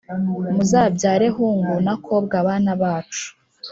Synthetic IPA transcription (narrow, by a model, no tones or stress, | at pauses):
muzaːbɟaːɾe̞ɦuŋɡunakʰo̞b̚ɡaβanaβaːt͡ʃu̥